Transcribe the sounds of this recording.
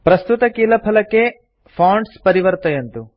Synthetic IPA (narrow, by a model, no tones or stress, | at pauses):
pɾɐst̪ut̪ɐkiːlɐpʰɐlɐkːe | pʰaːɳɖspɐɾiʋɐɾt̪ɐjɐnt̪u